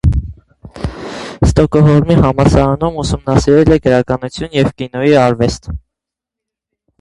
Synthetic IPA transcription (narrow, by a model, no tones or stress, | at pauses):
st̪ɔkɔɦɔɾmiɦɑmɑsɑɾɑnumusumnɑsiɾɛlɛɡəɾɑkɑnut͡sʰjunjɛvkinɔjiɑɾvɛst̪